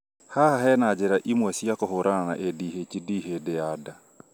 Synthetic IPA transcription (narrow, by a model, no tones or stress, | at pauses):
hahaɦɛnad͡ʒeɾaʔimwɛsiakoɦoɾanana̰ʔedihecidiɦedeada